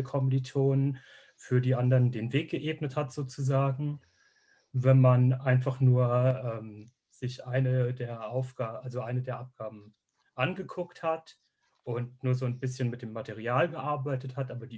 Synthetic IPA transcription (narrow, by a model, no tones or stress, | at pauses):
əkʰɔmditʰoːnən | fyːɐdiːʔandɐʁəndeːnveːk̚ɡ̥əʔeːbnəthatz̥oːt͡suzaːɡŋ̩ | vɛnmanʔaɪnfaχnuːɐʔɛːm | z̥ɪçʔaɪnədeːɐʔaʊfɡ̥aːʔalzoʔaɪnədeːɐʔap̚ɡ̥aːbm̩ | ʔanɡəkʰʊkthat | ʔʊntnuːɐzoːnbɪsçənmɪt̚d̥eːmːatʰeʁ̞iaːlɡəʔaɐbaɪtəthatʔaːbɐdiː